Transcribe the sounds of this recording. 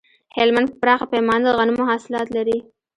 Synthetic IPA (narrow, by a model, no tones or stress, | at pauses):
hɪlmand̪̚pəpɾɑxapajmɑnd̪əɣanumʊɦɑsɪlɑt̪laɾi